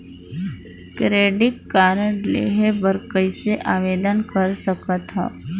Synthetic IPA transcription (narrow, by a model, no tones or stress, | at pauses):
kɾeːɖɪʈ̚kaːɾəɳlḛːɦebəɾkəiseʔaːʋeːd̪ənkəɾsəkət̪ɦɛ̰ː